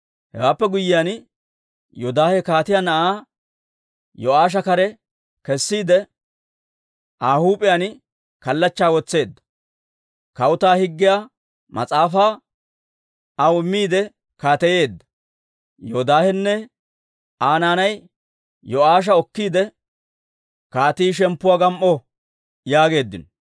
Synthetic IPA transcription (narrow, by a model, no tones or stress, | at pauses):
hɛ̰waːpːɛɡʊjːɪjan | jɔd̪aːhɛkaːt̪ɪjanɐʔaː | jɔaːʃ̬ɐkɐɾɛ | kɛsːiːd̪ɛ | ʔaːhuːpʼɪjan | kɐlːɐt͡ʃːaːwɔt͡sːe̞ːd̪ːɐ̥ | kɐwʊt̪aːhɪɡːɪja | mɐ̰t͡sʼaːfaː | ɐwɪmːiːd̪ɛ | kaːt̪ɛje̞ːd̪ːɐ̥ | jod̪aːhɛnːɛ | aːnaːnɐj | jɔaːʃ̬ɐɔkːiːd̪ɛ | kaːt̪iːʃɛmpːʊwaːɡɐmʔɔ | jaːɡe̞ːd̪ːɪnɔ